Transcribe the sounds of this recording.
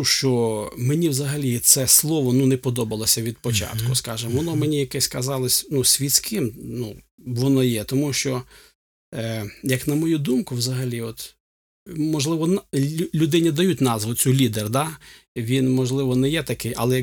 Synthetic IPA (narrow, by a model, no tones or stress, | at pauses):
ʃt͡ʃɔmenʲiwzɐɦɐlʲit̪sɛslˠɔʋɔnunɛpɔd̪ɔbɐlˠɔsʲɐʋʲid̪̚pɔt͡ʃɑ̰t̪kʊskɑʒɪmʋɔnɔmenʲijɐkɛsʲkɐzɑlˠɪsʲnusʲʋʲisʲkɪmnu | ʋɔnɔjɛt̪ɔmuʃt͡ʃɔ | jɐknɐmɔjud̪umkʊwzɐɦɐlʲiɔt̪ | mɔʒlˠɪʋɔnlʲʊd̪ɪnʲɪd̪ɐjut̚ʲnɑzʋʊt͡sʲulʲid̪erd̪ɑʋʲinmɔʒlˠɪʋɔnɛjɛt̪ɐkɪjʔɐ̰lˠɛ